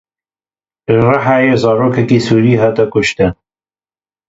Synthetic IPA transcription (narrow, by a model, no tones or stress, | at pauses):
rɑħaːjezɑːɾoːkʰɛkiːsuːɾiːɦɑːt̪ɐkʊʃt̪ɨn